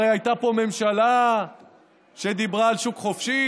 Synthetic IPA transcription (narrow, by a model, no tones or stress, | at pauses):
ejajt̪apo̞me̞mʃala | ʃed̪ibʁaːlʃukχo̞fʃi